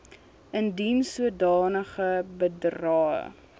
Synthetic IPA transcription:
əndinsuədɑːnəχəbədrɑːə̰

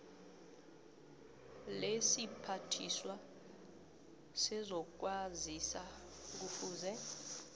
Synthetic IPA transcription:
lesipʰatʰiswa | sɛzɔk̬wazisa | k̬ufuːzɛ

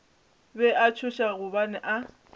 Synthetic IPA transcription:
bɛʔat͡ʃʰʊʃaɣʊbanɛʔa

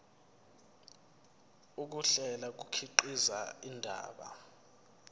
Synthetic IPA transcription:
uk̬uɬɛlak̬ukʰiǃizaindʱa̰ːɓa̰

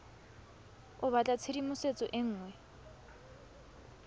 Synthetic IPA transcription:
ʊβat͡ɬʼat͡sʰeɾimʊset͡sʼɔʔɪŋ̩ːŋwɛ

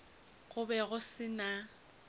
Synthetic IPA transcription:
ɣʊbɛɣʊsɪna

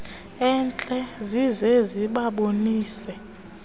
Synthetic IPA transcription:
ɛnt͡ɬʼɛzizɛziɓaɓoniːsɛ

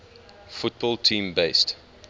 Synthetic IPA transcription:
fʊt̚bɔltʰĩːmbeɪst

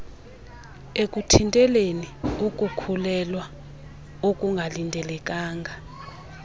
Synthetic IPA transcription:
ekʼutʰintʼɛleniukʼukʰulɛlwa | okʼuŋɡʱalintʼɛlɛkʼaːŋɡʱa

